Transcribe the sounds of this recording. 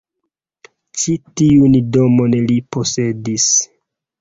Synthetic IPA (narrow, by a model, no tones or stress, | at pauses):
t͡ʃitiundomo̞nlipo̞se̞dis